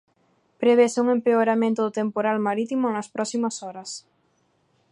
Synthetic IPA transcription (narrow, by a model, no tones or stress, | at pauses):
pɾeβesuŋẽmpeoɾamẽnt̪ʊðot̪empoɾalmaɾit̪imonaspɾɔsimasɔɾɐs